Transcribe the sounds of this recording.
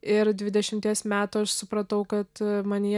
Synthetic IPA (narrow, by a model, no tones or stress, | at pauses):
ɪɾd̪ʲʋʲɪd̪ʲɛʃʲɪmʲt̪ʲiɛsmʲæːt̪uɐʃsʊpɾɐt̪ɐʊkɐt̪mɐnʲiː